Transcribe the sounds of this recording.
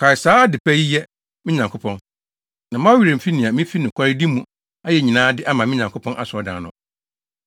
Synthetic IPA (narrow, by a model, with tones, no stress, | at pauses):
kʰa˨ɪ˨saː˦dɪ˨pʰɛ˦ji˦jɛ˦ | mɪ̃˦ɲã˨ŋkʰo˦pʰɔ̃˦n | nã˨mã˦ɥi˨ɾe˨fi˦nĩ˨a˨mĩ˦fi˦nɪ̃˨kʷʰa˦ɾɪ˦di˦mũ˨ | a˦jɛ˨ɲĩ˨nãː˦dɪ˦ʔa˦mã˨mɪ̃˦ɲã˨ŋkʰʊ˦pʰɔ̃˦nʔa˨sʊ˨ɔ˨dã̰ː˨nʊ̃˨